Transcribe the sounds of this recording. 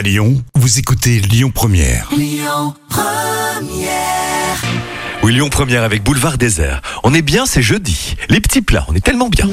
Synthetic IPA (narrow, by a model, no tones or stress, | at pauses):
ljɔ̃vuzekut̪eljɔ̃pχəmjɛ̰ːʁlɔ̃pχəmjɛʁwiljɔ̃pχəmjɛʁavɛk̚bulvaʁd̪ezɛ̰ːʁɔ̃nɛbjɛ̃sɛʒød̪ilepə̥t̪ʰipla̰ɔ̰̃nɛt̪ɛlmɑ̃bjɛ̰̃